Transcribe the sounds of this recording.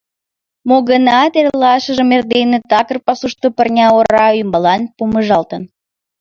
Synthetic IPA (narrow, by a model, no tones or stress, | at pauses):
moɣənɑt̪erlɑʃəʒəmerd̪enet̪ɑkərpɑsuʃt̪opərnʲɑoɾɑymbɑlɑnpuməʒɑlt̪ən